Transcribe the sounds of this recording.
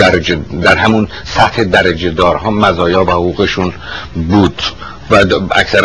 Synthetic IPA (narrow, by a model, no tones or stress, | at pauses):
æɾd̪æɾɦæmun | sæht̪ʰed̪æɾæd͡ʒed̪ɒːɾhɒːmæzɒːjɒːvæhoɣuːɣeʃun | buːd̪̥ | vææ̰csæɾ